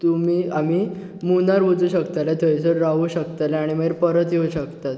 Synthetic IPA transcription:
t̪umiːamiː | munaɾʋəd͡zuːɕəkt̪alat̪ʰəjsəɾɾaʋuːɕəkt̪alɛaɽ̃imeɾpəɾət̪jeuɕəkt̪at̪

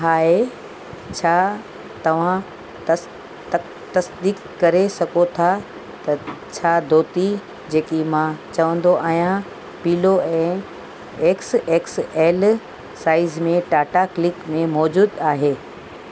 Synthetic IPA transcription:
ɦaːɦe | t͡ɕʰaː | t̪ɐʋ̤ã | t̪ɐsd̪iːkːɐɾesɐɡot̪ʰa | t̪ɐt͡ɕʰaːd̪ʱoːt̪i | d͡ʑeːkimãt͡ɕɐʋə̃nd̪oʔaːɦijã | piːloɛ̃ː | eːkseːkseːl | saːɪzmẽʈaːʈaklɪkmẽmɔːd͡ʑuːd̪aːɦeː

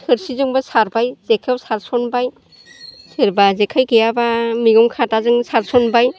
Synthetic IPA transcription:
hɯɾsizɯŋbasaɾbajzekʰewsaɾsɔnbaj | sɯɾbazekʰajɡɯjabamiɡɯmkʰatazɯŋsaɾsɔnbaj

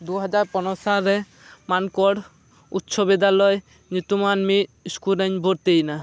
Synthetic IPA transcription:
d̪uɦɔd͡ʒaɾpɔnɔsaɾɛ | mankɔɽ | ut̪ːʃʰɔbɛd̪alɔj | nut̪umanmiskuɾɛɲbʱoɾt̪ejna

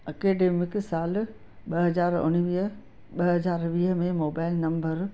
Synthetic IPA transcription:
ɐkeːɖeːmɪksaːl | ɓɐɦɐzaːɾʊ̰nʋiːɦ | ɓɐɦɐzaːɾʋiːɦəmẽmoːbaːɪlnɐ̃mbəɾ

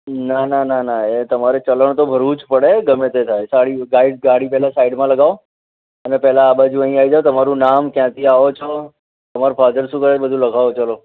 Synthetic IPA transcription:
nanananaet̪əmaɾet͡ʃələɽ̃t̪obʱəɾuːt͡ʃpəɽeɡəmet̪et̪ʰaesaɽiɡaiɖɡaɽipɛɦlasaiɖmãləɡaʋo | ənepɛɦlaːbad͡ʒũə̃ĩaid͡ʒat̪əmaɾũnamkjãt̪ʰiaʋot͡ʃʰo | t̪əmaɾopʰaːd̪əɾsũːkəɾebəd̪ʱũləɡʱaʋot͡ʃəlo

